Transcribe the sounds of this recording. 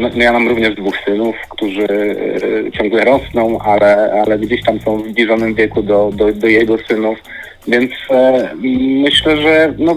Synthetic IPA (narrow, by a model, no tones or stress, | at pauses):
nɔjamamɾuvɲɛʐd̪vuxsɘnufkt̪uʐɘ | t͡ɕɔŋɡlɛɾɔsnɔ̃w̃ʔalɛalɛɡd͡ʑeɕt̪amsɔ̃w̃vzblʲiʐɔnɘmvʲjɛkud̪ɔd̪ɔd̪ɔjɛɡɔsɘnuf | vʲjɛnt̪s | mɘɕlɛʐɛnɔ